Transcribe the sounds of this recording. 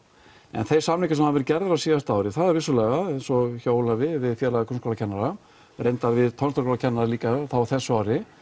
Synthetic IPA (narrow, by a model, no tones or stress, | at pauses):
ɛ̰nθej̥samlikasɛmavɛɾcɛɾðʏɾasiːɣast̪aːwɾɪθaðɛɾvɪsːʏlɛɣaɛjnsɔçoːwlavɪvɪðfjɛɾlaɣakʰɾʏnskoːlacʰɛnːaɾa | rejnt̪avɪðt̪ʰɔnst̪ɔɾkɔlacʰɛnːaɾaliːkaθawḁθɛsːʏaːwɾɪ